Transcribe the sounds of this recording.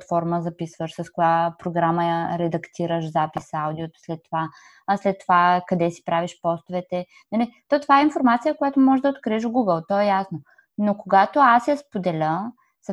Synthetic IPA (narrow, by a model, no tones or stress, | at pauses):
t̪fɔɾməzɐpisvəʃsɐskojapɾoɡɾaməjɐɾɛd̪ɐkt̪iɾəʃzapisawd̪iot̪o̥slɛt̪ːova | slɛt̪ːovakɐd̪ɛsi̥pɾaviʃpɔst̪ovɛt̪ɛ | nɐlit̪ɔt̪ovaɛinfoɾmat̪sijəkojat̪omɔʒɛd̪ɐot̪̚kɾiɛɛʃoɡuɡəlˠt̪ɔɛjasno | nokoɡat̪oasjɐspod̪ɛlʲə | sɐ